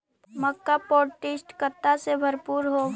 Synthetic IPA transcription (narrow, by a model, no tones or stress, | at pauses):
məkːapɔːʈɪsʈkət̪ːasebʱəɾpuːɾɦo